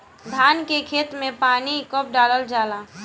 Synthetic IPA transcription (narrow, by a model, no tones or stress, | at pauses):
d̪ʱaːnkekʰeːt̪mẽpaːnikəp̚ɖaːləld͡ʒaːla